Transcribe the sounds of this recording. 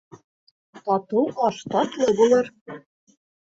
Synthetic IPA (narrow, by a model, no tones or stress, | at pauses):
t̪ɑt̪uɑʃt̪ɑt̪lˠɤbulˠɤɾ